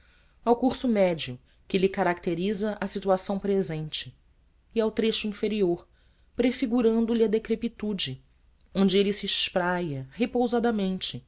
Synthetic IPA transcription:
awkuɾsʊmɛd͡ʒiʊ | kɪlɪkaɾak̚t̪eɾizɐʔɐsit̪uasɐ̃w̃pɾezẽnt͡ʃɪː | awt̪ɾeʃʊĩfeɾioɾ | pɾefiɡuɾɐ̃nd̪ʊlɪɐd̪ekɾepit̪ud͡ʒɪ | õnd͡ʒɪelɪsiːʃpɾajɐhepowzad̪ɐmẽnt͡ʃɪ

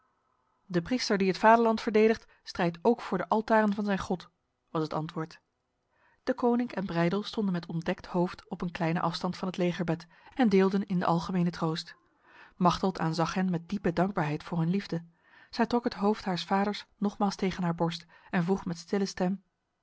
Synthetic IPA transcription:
dəpristəɹdiɦətfaːdəɹlɑntfəɹdejdəχt | strɛjtowkfʊːɹdəʔɑlˠtaːrənvɑnzɛjnχɔt | ʋɑsɦətɑ̰ntʋʊːɹt | d̥əkoːwnɪŋkɛnbrɛjdəlˠstɔndənmɛtɔndɛkthowftɔpənklɛjnə̰ʔɑfstɑntfɑnɦətlejχəɹbɛt | ɛndɪːlˠdənɪndə̰ʔɑlˠχəmejnətrowst | mɑχtəlˠtʰaːnzɑχɦɛnmɛt̚dipədɑŋɡ̚baːɹɦɛjtfʊːɹɦɵnlivdə | z̥ɛjtrɔkɦətɦowftɦaːɹsfaːdəɹsnɔχmaːlˠstejχənɦaːɹbɔɹst | ɛnvruχmɛtstɪləstɛm

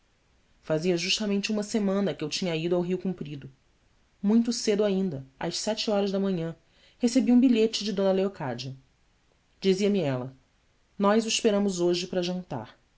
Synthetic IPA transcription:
faziɐʒuʃt̪ɐmẽnt͡ʃɪũmɐsemɐ̃nɐkɪewt͡ʃĩɲɐid̪ʊawɦiukũmpɾid̪ʊ | mũj̃t̪̬ʊsed̪ʊaĩnd̪ɐɐ̰ʃsɛt͡ʃɪɔɾɐzd̪ɐmɐ̃ɲɐ̃ | hesebiũbiʎet͡ʃɪd͡ʒɪd̪õnɐleokad͡ʒiɐ | d͡ʒiziɐmiɛlɐ | nɔjzuiʃpeɾɐ̃mʊzoʒɪpɾɐʒɐ̃nt̪a̰ɾ

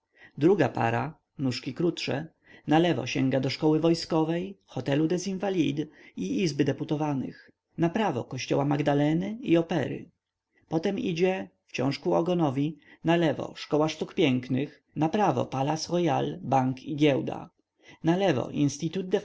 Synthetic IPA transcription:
d̪ɾuɡapa̰ɾa | nuʂkʲikɾutʂɛ̰ | nalɛvɔ̰ɕɛŋɡad̪ɔʂkɔwɘvɔjskɔvɛjxɔt̪ɛlud̪ɛzinvalʲid̪iizbɘd̪ɛput̪ɔvanɘ̰x | napɾavɔ̰kɔɕt͡ɕɔ̰wamaɡd̪alɛnɘiɔpɛɾɘ̰ | pɔt̪ɛmḭd͡ʑɛft͡ɕɔ̰̃w̃ʂkuɔɡɔnɔvʲinalɛvɔ̰ʂkɔwaʂt̪ukpʲjɛŋknɘx | napɾavɔ̰palatsʁɔjalbaŋkiɡʲjɛwd̪a̰ | nalɛvɔ̰ʔinst̪it̪ud̪̚d̪ɛ

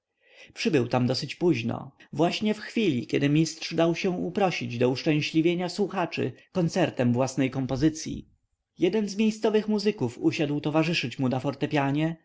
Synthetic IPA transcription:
pʂɘbɘwt̪amd̪ɔsɘt͡ɕpuʑnɔ̰vwaɕɲɛfxfʲilʲikʲɛd̪ɘmʲistʂd̪awɕɛ̃upɾɔɕid͡ʑd̪ɔuʂt͡ʂɛ̃w̃ɕlʲivʲjeɲaswuxat͡ʂɘ̰kɔnt̪sɛɾt̪ɛmvwasnɛjkɔmpɔzɘt̪sʲjḭ | jɛd̪ɛnzmʲjejst̪sɔvɘxmuzɘkufuɕad̪wt̪ɔvaʐɘʂɘt͡ɕmunafɔɾt̪ɛpʲjaɲɛ

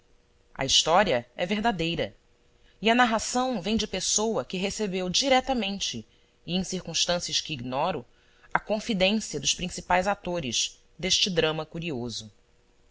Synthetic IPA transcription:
ɐ̰iʃt̪ɔɾiɐɛveɦd̪ad̪ejɾɐ | iɐnaɦasɐ̃w̃vẽj̃d͡ʒɪpesowɐkɪɦesebewd͡ʒiɾɛt̪ɐmẽnt͡ʃɪː | ẽj̃siɾkũʃt̪ɐ̃siɐʃkɪːɡnɔɾʊ | ɐkõfid̪ẽsiɐd̪ʊʃpɾĩsipajzat̪oɾɪz̥ | d̪eʃt͡ʃɪd̪ɾɐ̃mɐkuɾiozʊ

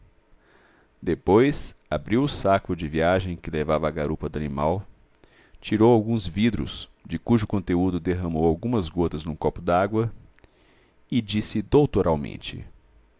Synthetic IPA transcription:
d̪epojsabɾiwʊsakʊd͡ʒɪviaʒẽj̃kɪlevavɐːɡaɾupɐd̪ʊanimaw | t͡ʃiɾowawɡũzvid̪ɾʊ̰sd͡ʒɪkuʒʊkõnt̪eud̪ʊd̪eɦɐ̃mowawɡũmɐzɡot̪ɐznʊ̃kɔpʊd̪aɡwɐ | ɪd͡ʒisɪd̪owt̪oɾʔawmḛ̃nt͡ʃɪ̰

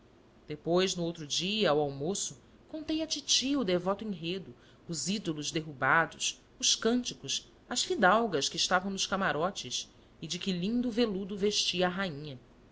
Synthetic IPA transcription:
d̪̥epojznʊowt̪ɾʊd͡ʒiɐawawmosʊ | kõnt̪ejɐt͡ʃit͡ʃiʊd̪evɔt̪ʊẽŋɦed̪ʊː | zid̪olʊzd̪eɦubad̪ʊs | ʊskɐ̃nt͡ʃikʊs | ɐsfid̪awɡɐskɪːʃt̪avɐ̃w̃nʊʃkamaɾɔt͡ʃɪs | ɪd͡ʒɪkɪlĩnd̪ʊvelud̪ʊveʃt͡ʃiɐːɦaĩɲɐ

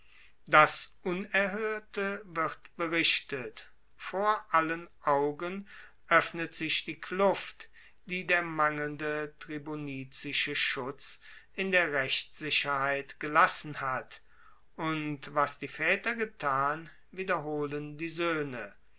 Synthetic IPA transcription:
d̥asʔʊnɛɐɦøːɐtəvɪʁtb̥əʁɪʃtət | foːɐʔalənʔaʊɡən | ʔœfnətz̥ɪʃd̥iːkʰlʊft | d̥iːdeːɐmaŋəlndətʁ̥iboniːt͡sɪʃəʃʊt͡sʔɪndeːɐʁɛç̥ɪɕɐhaɪtɡ̥əlasn̩hat | ʔʊntvasd̥iːfɛːtɐɡətʰaːn | viːdɐɦoːləndiːzøːnə

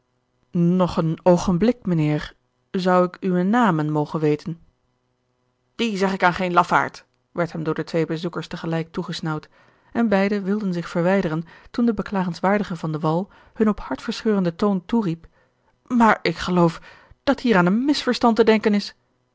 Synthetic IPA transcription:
nɔχənowχənblɪkmənɪːɹ | zʌwɪkyʋənaːmənmowχənʋejtən | d̥izɛχɪkaːnχejnlɑfa̰ːɹt | ʋɛɹtɦɛmdʊːɹdətʋejbəzukəɹstəχəlɛjk̚tuχəsnɑwt | ɛnbɛjdəʋɪlˠdənzɪχfəɹʋɛjdərəntundəbəklaːχənsʋaːɹdəχəvɑndəʋɑlˠ | hɵnɔphɑɹtfəɹsχøːrəndətownturip | maːɹɪkχəlowf | d̥ɑthiːɾaːnənmɪsfəɹstɑntədɛŋkənɪs

